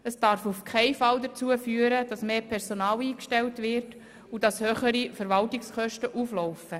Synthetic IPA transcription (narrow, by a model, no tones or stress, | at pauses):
əsd̥ɑɾfufkʰɛɪfɑldət͡suəfyːəɾəd̥ɑsmeːpʰɛɾsonɑːliːkʃtɛltʋɪɾt | ud̥ɑshøχəɾifəɾvɑltɪkskœʃtəʔuflɔʊfə